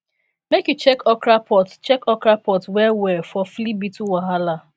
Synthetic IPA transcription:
mekjut͡ʃɛkɔkɾapɔtt͡ʃɛkɔkɾapɔtwɛwɛfɔflibituwaɦala

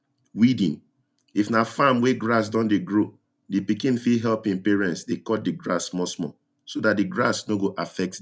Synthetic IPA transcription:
widḭ̃n | ifnafamweɡɹas̬dɔ̃ndeɡɹo | dipikĩnfiɦɛlpĩnpɛɹɛ̃ntsdekɔt̚diɡɹa̰smɔsmɔ̰ | sodat̚diɡɹasnoɡoʔafɛk̚t

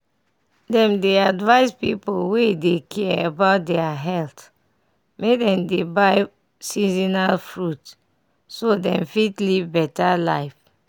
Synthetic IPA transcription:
dɛ̃mdeadvaɪspipolwedekʰɛebaʊt̚dɛaɦɛlt | medɛ̃mdebaɪ | sizinalfɹut | sodɛ̃mfitlivbɛtala̰ɪf

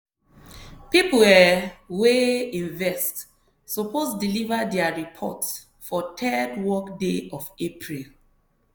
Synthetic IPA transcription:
pipu | weĩnvɛst | soposdilivadɛaɹipʰɔ̰ts | fɔtʰɛdwɔkdeɔvepʰɹil

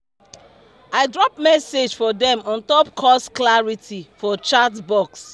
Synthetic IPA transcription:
aɪdɹɔp̚mɛsed͡ʒfɔdɛ̃mɔ̃ntɔp̚kʰɔsklaɹitʰifɔt͡ʃatbɔks

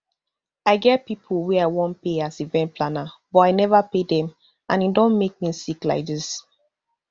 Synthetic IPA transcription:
aɪɡɛt̚pipʰulwɛaɪwɔ̃n̚peasivɛ̃nt̚pʰlanabɔtaɪnɛvapedɛ̃m | ãnidɔ̃nmek̚misikla̰ɪk̚dis

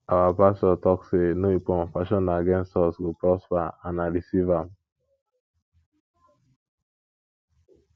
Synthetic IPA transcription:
awapastɔtɔksenoipɔ̃nfaʃɔ̃naɡɛ̃nstɔsɡopɾɔspaanaɾisivam

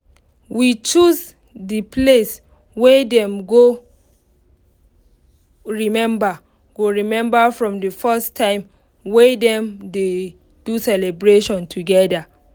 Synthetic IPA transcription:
wit͡ʃuz | dipʰles | wedɛ̃mɡo | ɹimɛ̃mba | ɡ̥oɹimɛ̃mbafɹɔ̃mdəfɛstʰːãɪ̃m | wedɛ̃mde | d̥usɛlɛbɹeʃɔ̃ntʰuɡɛda

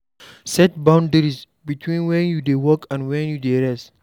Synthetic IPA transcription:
sɛt̚bãw̃ndəɾis | bitʰwĩnwɛ̃njudewɔkãnwɛ̃njudeɾɛs

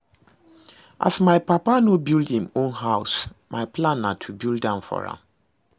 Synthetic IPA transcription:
ʔa̰smajpapanobildhĩmõnɦawsmajpʰlãnːatʰubilˠdãʊ̃nfɔ̰ɹã̰m

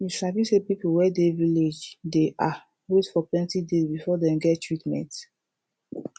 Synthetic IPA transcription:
jiʃabisepipuwɛdeviled͡ʒdeʔa | ɹutfɔplɛ̃ntidezbifɔdɛ̃mɡɛttɹitmɛ̰̃nt

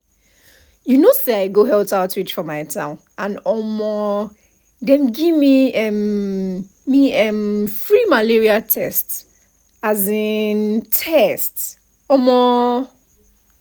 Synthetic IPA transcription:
junosdɛaɪɡoɦɛltaʊtwit͡ʃfɔ̃maɪtʰãʊ̃n | ãnɔmɔ | dɛ̃mɡivmiɛ | miɛmfɹimaliɹiatʰɛst | azĩntʰɛst | ɔmɔ

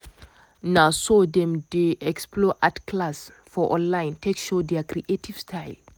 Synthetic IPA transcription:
nasodɛ̃mdeʔɛksplɔʔatkʰlas | fɔʔɔ̰̃nlãj̃ntʰekʃodɛkɾiʔetʰiv̥stʰaɪl

